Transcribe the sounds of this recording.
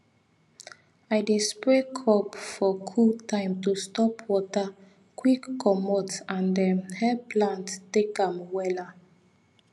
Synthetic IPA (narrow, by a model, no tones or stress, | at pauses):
ajdispekʰɔpfɔkʰutãɪ̃mtustɔpʰwɔta | kwikːɔmɔtãndɛhɛplãnttekãmwɛla